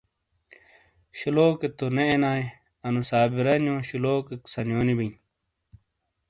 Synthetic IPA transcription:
ɕiloːket̪oneenaːe | ɐnusaːbiɾɐnjõːɕiloːkeksɐnjoːnibin

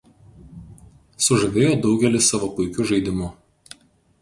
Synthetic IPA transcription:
sʊʒɐʋʲeːjoːd̪ɒʊɡʲɛlʲɪsɑːʋopʊɪkʲʊʒɐɪd̪ʲɪmʊ

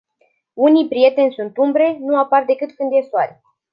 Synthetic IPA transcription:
unijpɾije̞t̪e̞nʲsunt̪umbɾe̞nuapard̪e̞kɨt̪kɨnd̪esoaɾʲ

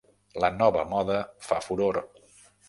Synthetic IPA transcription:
lənɔβəmɔðəfafuɾoɾ

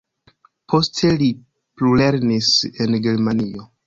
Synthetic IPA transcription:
pʰo̞stʰe̞li | plule̞ɾnise̞nɡe̞ɾmanio̞

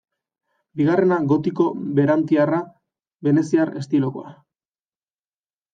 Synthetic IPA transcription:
biɣare̞naɣo̞t̪iko̞βe̞ɾant̪iara | βe̞ne̞siare̞st̪ilo̞ko̞̰a

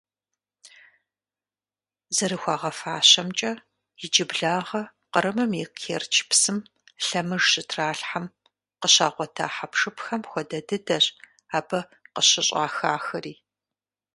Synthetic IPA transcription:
zɐɾɨxʷɑːʁɐfaːɕɐmt͡ʃʼɐ | jɪd͡ʒɪbɮaːʁɐ | qəɾɨmɨmiqʰeːrt͡ʃʰpsɨm | ɬɐmɨʐɕɨtʰraːɬħam | qəɕaːʁʷɔtʰa̰ːħapʂɨpxɐmxʷɔdɐdɨdɐɕ | aːbɐ | qəɕɪɕʼaːxaːxɐriː

